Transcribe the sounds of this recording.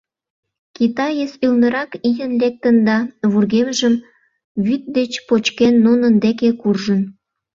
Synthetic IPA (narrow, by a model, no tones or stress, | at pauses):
kit̪ɑjesylnəɾɑkijənlek̚t̪ənd̪ɑβurɣemʒəm | βyt̪̚d̪et͡ɕpot͡ɕkenːunənd̪ekekurʒən